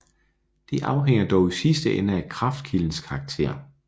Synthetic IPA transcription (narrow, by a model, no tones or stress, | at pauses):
d̥iʔɑ̈ʊɦeŋ̰ɐd̥ɒʊisisd̥əʔenəækʰʁɑ̈fd̥̚kʰiln̩skʰɑ̈ːɡ̥̚t͡sʰe̝̰ɐ̰